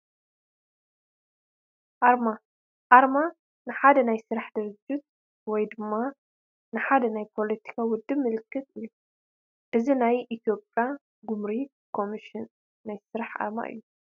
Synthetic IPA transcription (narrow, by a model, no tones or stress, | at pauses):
ʔaɾma | ʔaɾma | nɨħad̪ɐnajsɨɾaħd̪ɨɾɨd͡ʒːut̪̚ | wɔjd̪ɨmːa | nɨħad̪ɐnajpʰo̞let̪ʰi̥kʰawʊd̪ːɨbmɨlɨkːɨt̪ɨjːu | ʔɨzinajʔit̪ʰjo̞pʼja | ɡumɾi | kʰo̞miʃɪnː | ajsɨɾaħa̰ɾma̰ʔɨ̰jːu